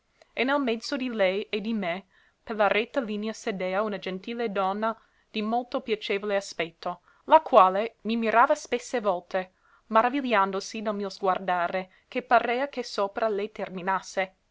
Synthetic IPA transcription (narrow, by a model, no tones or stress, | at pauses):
enɛlmɛd̪z̥od̪ilɛjed̪ime | perlarɛt̪ːaliːneased̪eːaunad͡ʒent̪iːled̪ɔnːa | d̪̥imolt̪opjat͡ʃeːvoleaspɛt̪ʰːo | lakwaːlemimiɾaːvaspesːevɔlt̪e | maɾaviljand̪osid̪almiozɡward̪aːɾe | kepaɾeːakesoːpɾʔalɛjt̪erminasːe